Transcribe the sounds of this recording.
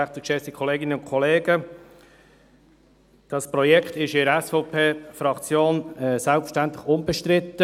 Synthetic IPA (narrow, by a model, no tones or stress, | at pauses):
æχt̪əkʃɛsikʰɔleːɡɪnənʊnkʰɔleːɡə | d̥ɑspɾɔjɛkχtɪʃɪɾɛsfɔʊpʰeːfɾɑkt͡sjoːnɛsælpfə̥ʃtænt̪lɪχʊmbɛʃtɾɪt̪ːə